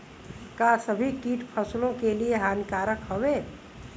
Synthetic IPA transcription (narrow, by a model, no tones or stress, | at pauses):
kasəbʱikiːʈpʰəslõkelieɦaːnkaːɾəkɦəweː